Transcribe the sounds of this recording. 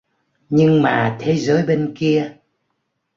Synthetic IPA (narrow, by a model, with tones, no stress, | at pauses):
ɲɨ˧ŋmaː˨˩t̪ʰe˨˦zəː˨˦jɓe˧nki˧ə